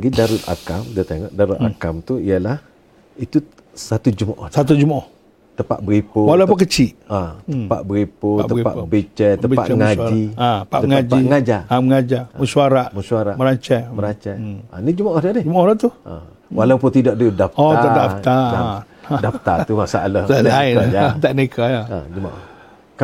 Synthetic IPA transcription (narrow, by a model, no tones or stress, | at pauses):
aɡidaɾut̪a̰kamdiət̪eŋɔʔdaɾuʔ̪akamt̪uiəlah | it̪u | sat̪ud͡ʒumaʔɔ̰sat̪̬ud͡ʒumaʔɔh | t̪əpa̰ʔbəɣipowalap̪əuk̬ət͡ʃiʔatəpa̰ʔbəɣipoaʔ̪əipa̰ʔbit͡ʃɛt̪əbpa̰ʔŋad͡ʒaiaəpaʔ̪əməŋad͡ʒiŋad͡ʒaaməŋad͡ʒaməsuaɾaʔməsuaɾaməɾaɲt͡ʃɛməɾat͡ʃɛa̰nid͡ʒumaʔɔdadɪd͡ʒumɔɾat̪ua̰ | walawpʊnt̪idɔʔ̚dudafɔaadat̪aa | daft̪at̪umasaʔalahaainat̪aʔnekʰaaa̰d͡ʒuma̰ʔɔh | k